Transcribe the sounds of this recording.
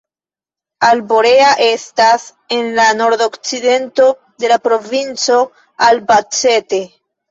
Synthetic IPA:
albo̞ɾe̞aʔe̞stas | e̞nlano̞ɾdo̞kt͡side̞nto̞ | de̞lapɾo̞vint͡so̞ | albat͡se̞te̞

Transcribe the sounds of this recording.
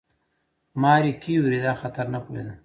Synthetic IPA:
mɑːɾikiwɾid̪axɐt̪ɐɾnakoḛd̪u

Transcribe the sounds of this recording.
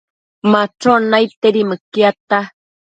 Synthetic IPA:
maʈ͡ʂonajt̪eɾimɨkjat̪a

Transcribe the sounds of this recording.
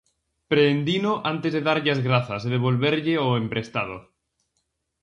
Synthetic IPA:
pɾeːnd̪inoʔant̪ezðeðaɾʎazɣɾaθazeðeβ̞olβeɾʎeoempɾest̪að̞o̰

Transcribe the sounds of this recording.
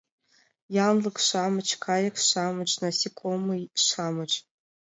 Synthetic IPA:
jaːmlɨkʃʷaːmɨt͡ʃʰkʰaːjakʰʃʷaːmɨt͡ʃʼnasikʷʼomɨʃʷaːmɨt͡ʃʼ

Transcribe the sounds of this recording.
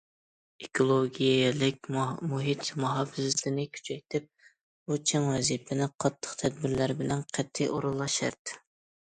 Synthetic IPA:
ekʰolˠoɡʲijɛlɪkʲmuɦit̪muɦɑfɪzɪt̪ʰɪnɪkʲʰy̥t͡ʃʰɛjt̪ʰɪp̚ | but͡ʃʰɛŋwɛzipʰɪnɪqʰɑt̪ʰːə̥qt̪ʰɛd̪̚bɪɾlæɾɪbɪlɛnqʰɛt̪ʰːiʔoɾulˠːɑʃɛ̰ɾt̪

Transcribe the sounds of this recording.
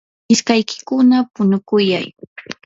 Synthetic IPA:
ɪskajkɪ̥kʊnapʊnʊkʊjaj

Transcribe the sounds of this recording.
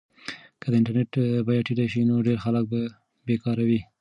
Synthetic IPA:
kəd̪əɪɳʈaɾneʈbɑjɑʈiɖaʃinoɖeɾxalək̚ba | bekɑɾawi

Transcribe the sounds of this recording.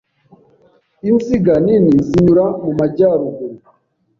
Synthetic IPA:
inziɡanininziɲuɾamumaɟaːɾuɡuɾ

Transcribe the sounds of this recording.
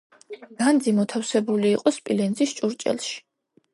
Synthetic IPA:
ɡand̪zimɔt̪ʰafsɛbuliːqʼɔspʼilɛnzist͡ʃʼuɾt͡ʃʼɛ̰lˠʃi̥

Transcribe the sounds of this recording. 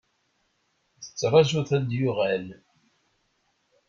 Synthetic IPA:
θə̥t͡sːrˤɑʒuθæd̪jʊʁæl

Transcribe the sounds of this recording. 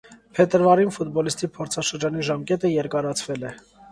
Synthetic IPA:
pʰɛt̪əɾvɑɾinfut̪bɔlist̪ipʰɔɾt͡sʰɑʃəɾd͡ʒɑniʒɑmkɛt̪əjɛɾkɑɾɑt͡sʰvɛlɛ

